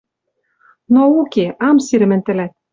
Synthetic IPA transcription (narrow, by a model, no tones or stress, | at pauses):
noukeʔɑmsiɾɘ̆mɘ̆nt̪ɘ̆læt̪̚